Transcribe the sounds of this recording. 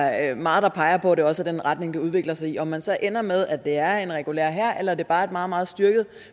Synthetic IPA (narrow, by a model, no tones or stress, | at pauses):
mɑ̈ːð̞̩ˠd̥ɑ̈pʰɑ̈ɪɐpʰɒ̽ɾ̥e̝ɒ̽səd̥enʁad̥ne̝ŋd̥e̝uð̞ˠʋe̝ɡ̥lɐsɑ̈ɪiɒ̽mːænsɒ̽ʔen̰ɐmeðˠæd̥e̝æɐe̝nʁɛɡ̥ulḛɐɦæɐ̰ʔelɐæɐd̥e̝b̥ɑ̈ːe̝d̥mɑ̈ːð̩ˠmɑ̈ːð̩ˠsd̥yɐɡ̥ð̩ˠ